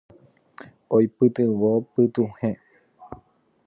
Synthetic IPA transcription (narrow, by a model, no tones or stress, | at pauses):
ojpɨt̪ɨwopɨt̪uhẽ